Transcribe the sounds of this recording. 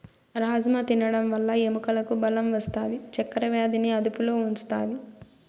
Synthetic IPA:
ɾaːd͡ʒɐmɐt̪inɐɽɐmʋɐlːɐemukɐlɐkubɐlɐmʋɐst̪aːd̪it͡ʃɛkːɐɾɐʋjaːd̪iniɐd̪upulo̞ːuɲt͡ʃu̥t̪aːd̪i

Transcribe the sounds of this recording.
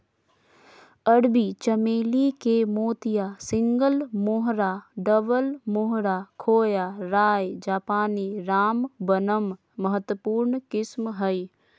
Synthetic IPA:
əɽbit͡ʃəmeːlikemoːt̪ijasɪ̃ŋɡəlmoɦɾaɖəbəlmʊɦɾaːkʰoːjaɾaːjd͡ʒaːpaːniɾaːmbənəmː | əɦət̪wəpuːɾnkɪsmɦəi

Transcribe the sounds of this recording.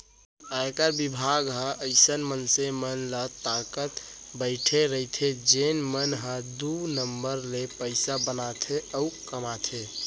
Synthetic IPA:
aekəɾbibʱaɡɦə̃ʔəɪsənmənsemənlət̪ːakət̪ | bəɪʈʰeɾəit̪ʰed͡ʒenmənɦə̃d̪unəmbəɾlepəɪsabənat̪ʰeʔəukəmat̪ʰe

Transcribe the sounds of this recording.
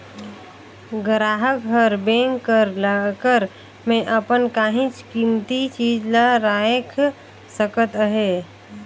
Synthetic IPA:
ɡəɾaːɦəkɦəɾbẽːŋkːəɾlakəɾ | mẽʔəpənkaːɦĩt͡ʃkimt̪it͡ʃiːd͡ʒlaɾaːjekʰ | səkət̪əɦeː

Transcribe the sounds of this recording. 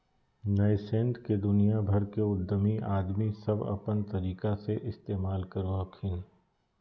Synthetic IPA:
nɐjsẽːɳʈked̪ʊnijabʱɐɾkeʊd̪ʱːəmiʔaːd̪misɐbɐ̰pənt̪ɐɾiːkaseʔɪst̪eːmaːlkɐɾoɐkʰɪn

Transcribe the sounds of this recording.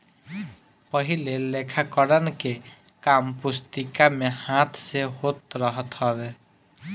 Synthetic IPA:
pəɦilelekʰakɔɾənke | kampʊst̪ikamẽhãt̪ʰseɦot̪ɾəɦət̪ɦɔʋe

